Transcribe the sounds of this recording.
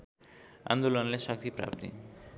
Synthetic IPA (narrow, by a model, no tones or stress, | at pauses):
a̰nd̪olonleʃɔk̚t̪ʰipɾa̰pt̪ḭ